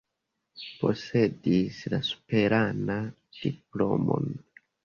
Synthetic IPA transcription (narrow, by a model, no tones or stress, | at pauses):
po̞se̞dislasu̥pe̞ɾana | d̥iplo̞̰mo̞̰n